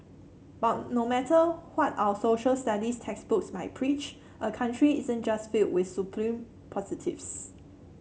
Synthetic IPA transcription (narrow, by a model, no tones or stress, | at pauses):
b̥atnomɛtʰəwɔtaʊəsoʃəlstadistʰɛksbʊksmaɪt̚pʰɹit͡ʃ | ʔəkʰãntɹiizə̃nd͡ʒasfild̚wɪθsupʰlĩm | pʰɔzitʰḭfs